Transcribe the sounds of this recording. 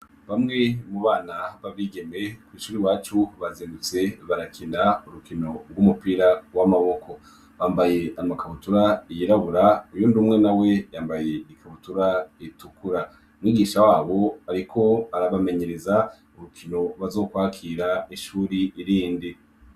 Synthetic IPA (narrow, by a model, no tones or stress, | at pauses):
βamŋe̞muβaːnaβaβiːɡe̞me̞kwiːʃuːɾiwaːt͡ʃuβaziːndut͡se̞βaɾakʰiːndauɾukino̞ɡumupiːɾawamaβo̞ko̞ | βaːmbaje̞ʔamakaβutuɾaijiɾaβuɾaujundumŋe̞nawe̞jaːmbaje̞ikaβutuɾaitukuɾa | mŋiːɡiːʃawaːβo̞aɾikʰo̞aɾaβame̞ɲe̞ɾe̞za | uɾukʰino̞βazo̞ːkwaːkʰiɾaiʃuːɾiːɾiːndi